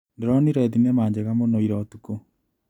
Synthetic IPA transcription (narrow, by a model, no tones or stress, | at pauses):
ndeɾɔniɾɛðinɛmaːɲd͡ʑeɣamonoiɾɔtuko